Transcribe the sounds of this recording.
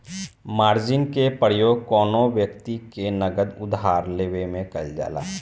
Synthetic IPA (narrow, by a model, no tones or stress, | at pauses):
maːɾd͡ʒɪnkepəɾjoːɡ̚kɔːnoʋjəkt̪ikenəɡəd̪ʊd̪ɦaːɾleːʋemẽkəld͡ʒa̰ːla̰ː